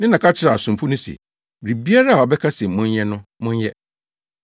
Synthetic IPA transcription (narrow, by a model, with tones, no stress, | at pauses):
nɪ̃˦nã˨kʰa˦t͡ɕʰɪ˦ɾa˨sʊ̃˨m˨fʊ˦nʊ̃˦sɛ̰˨ | ɾi˨bi˦a˦ɾa˦a˨ɔ˨bɛ˦kʰa˦sɛ˨m̩˨mʊ̃˦njɛ˦nʊ̃˦mʊ̃˦njɛ˦